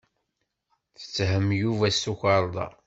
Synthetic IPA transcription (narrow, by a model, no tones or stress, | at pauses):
θə̥t͡sːɦəmːjuvæsuçəɾˤd̪ˤɑ̰